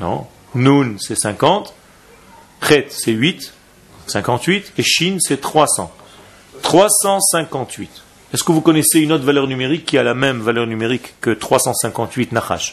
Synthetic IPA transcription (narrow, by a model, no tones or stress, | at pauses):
nɔ̰̃ | nunsɛsɛ̃kɑ̃t̪ | χɛt̪sɛɥit̪ | sɛ̃kɑ̃t̪ɥit̪eʃinsɛt̪χwasɑ̰̃ | t̪χwasɑ̃sɛ̃kɑ̃t̪ʰɥit̪ | ɛskəvukɔnɛseynot̪χvalœʁnymeʁikːialamɛmvalœʁnymeʁikːət̪χwasɑ̃sɛ̃kɑ̃t̪ɥit̪naχa̰ʃ